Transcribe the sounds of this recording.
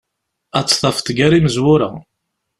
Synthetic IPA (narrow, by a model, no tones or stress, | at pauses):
æt͡sːθˤɑfθɡæɾiməzwʊɾa